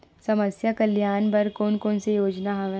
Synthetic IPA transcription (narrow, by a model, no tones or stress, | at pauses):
sɐməsjakɐljaːnbɐɾkoːnkoːnsejoːd͡ʒnaɦɐ̃ʋ